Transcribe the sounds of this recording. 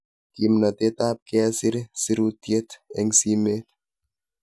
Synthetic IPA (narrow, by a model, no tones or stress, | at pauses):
kimnat̪et̪ap̚keasiɾsiɾut̪ijet̪ɛŋsimet̪